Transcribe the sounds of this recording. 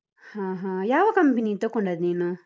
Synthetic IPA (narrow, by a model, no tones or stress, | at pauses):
hãːɦãːjaːʋɐkɐmpinit̪okoɳɖaːd̪niːnu